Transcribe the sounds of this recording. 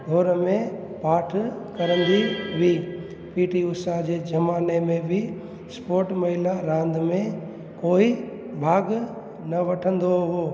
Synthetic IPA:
ɖʱoːɾmẽ | paːʈʰkɐɾə̃nd̪iʋiː | piːʈiʊsad͡ʑeːd͡ʑɐmaːnemẽbɪ | spoːɾʈmɐɦɪlaɾãːnd̪mẽ | koːi | bʱaːɡ | nɐʋɐʈʰə̃nd̪oɦoː

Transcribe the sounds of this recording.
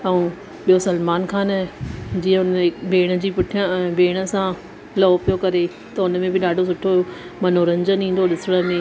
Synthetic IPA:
ɛũː | ɓijosɐlmaːnkʰaːnd͡ʑiːə̃ʊnbʱeːɽ̃ə̆d͡ʑiːpʊʈʰijə̃ɛ̃ːbʱeːɽ̃ə̆sã | lɐːpijokɐɾe | t̪ɐʊnəmẽbɪɗaːɖʱos̬ʊʈʰoomɐnoːɾɐ̃ɲd͡ʑənĩːn̆d̪oɗɪsɪɽ̃əmẽ

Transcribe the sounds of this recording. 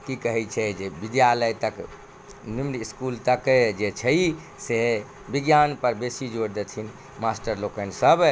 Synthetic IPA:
kikəɦɛt͡ʃʰɛd͡ʒebid̪jaləjt̪ək | nimniskult̪əkd͡ʒet͡ʃʰəi | se | biɡjanpəɾbesid͡ʒoɾd̪et̪ʰin | masʈəɾlokənsəb

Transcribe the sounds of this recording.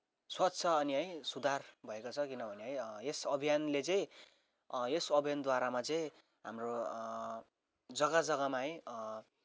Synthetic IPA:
swʌtːt͡sʰʌːniɦʌj̃sud̪ʱarbʱʌekot͡sʰʌkinʌbʱʌneɦʌj̃esʌbʱijanlet͡sʌĩ | esʌbʱijand̪waɾamat͡sʌ̃ | ɦa̰mro | d͡zʌɡad͡zʌɡamaɦʌj̃

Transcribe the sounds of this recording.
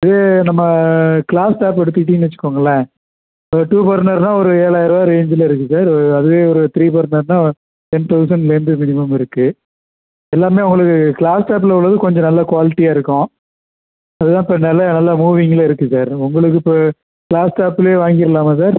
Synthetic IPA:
ɐðeːnɐmːɐkɪɭaːsʈaːpɛɽɯt̪̬ːiʈ̬ːiːnʋɐt͡ʃːɯ̥kːoːŋɡɐlːɐ | ʈuːpɐɾnɐɾnãːɔɾɯeːɭaːjɪɾɐʋaːɾeːɲd͡ʒɪlɐɪɾɯkːɯsaːɾɐðɯʋeːɔɾɯt̪ɪɾiːp̬ɐɾnɐɾnãː | t̪ɛnt̪ɐʊsɐɳɖleːnd̪ɯmɪnɪmɐmɪɾɯkːɯ | ɛlːaːmeːʊŋɡɐɭɯkːɯkɪɭaːsʈaːp̬ːɪlɐʊɭːɐðɯkɔɲd͡ʒɔ̃nɐlːɐkʊʋaːlɪʈːiaːɪɾɯkːʊ̃ | ɐðɯt̪ãːɪpːɐnɐlːɐnɐlːamuːʋɪŋɡɐlɐɪɾɯkːɯsaːɾʊŋɡɐɭɯk̬ːɯpː | kɪɭaːsʈaːpɪleːʋaːŋɡɪɾɐlaːmɐs̬aːɾ

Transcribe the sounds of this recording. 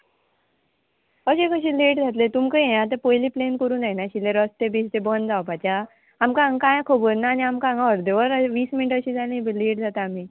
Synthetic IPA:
əɕekəɕ̬ileːʈd͡zʱat̪̬let̪umkəẽat̪̬epojliːplenkəɾũːndajnaɕilːeɾəst̪ebiːst̪ebənd͡zawpat͡ɕa | amkaŋɡkãjãkʰobəɾnaːniamkãŋɡəɾd̪eʋəɾʋiːsminiʈəɕiːd͡zalĩbleːʈ̚d͡zat̪aːm̤iː

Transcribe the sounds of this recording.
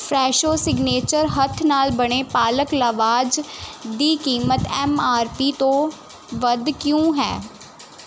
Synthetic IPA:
fʰɾɛːʃoːsɪɡneːt͡ʃəɾɦət̪ʰnaːlbəɽ̃eːpaːləkləʋaːd͡ʒd̪iːkiːmət̪ɛmaːɾpiːt̪õː | ʋəd̪kjõːɦɛ̰ː

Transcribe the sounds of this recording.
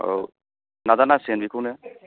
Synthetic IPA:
o̰w | nadanasenbikʰuwnɛ

